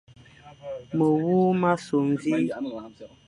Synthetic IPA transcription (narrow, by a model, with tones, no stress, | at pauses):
mə˨wu˦ma˦so˨m˨vi˦